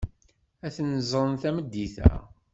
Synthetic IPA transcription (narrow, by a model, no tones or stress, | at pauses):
æθənəzˤɾˤənθæməd̪ːiθæ̰